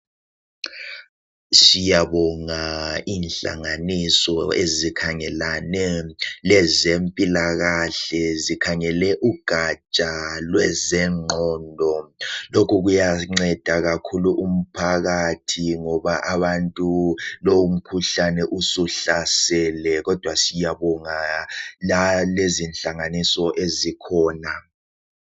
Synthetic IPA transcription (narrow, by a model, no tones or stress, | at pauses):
sijaβɔŋaiːnɬa̰ŋanisɔezikʰaŋɛlanɛlɛzempʼilaɣaɬɛzikʰaŋɛlɛʔuɡ̥ʱat͡ʃʼalwɛzɛŋ͡ǃʱɔːndʱɔlokʰuɣ̬ujaŋ͡ǀɛd̥ʱaɣ̬akʰuluʔum̩pʰaɣatʰiŋɔɓaʔaɓantʼuloum̩kʰuɬanɛʔusuɬasɛlɛɣɔd̥ʱwasijaɓɔŋalalezinɬaŋanisɔʔezikʰɔːna